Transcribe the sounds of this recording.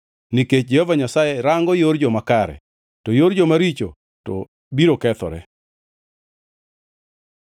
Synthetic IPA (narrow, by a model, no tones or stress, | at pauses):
niket͡ʃd͡ʒɛhovaɲasajɛɾaŋɡɔjoɾd͡ʒomakaɾɛ̰ | tɔjoɾd͡ʒomaɾit͡ʃo̰ | tɔ̰ | biɾokɛt̪ɔ̰ɾɛ̰